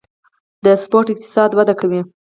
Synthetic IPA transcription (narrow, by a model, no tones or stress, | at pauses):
d̪əspoɾʈɪq̚t̪ɪ̥sɑd̪wad̪akawi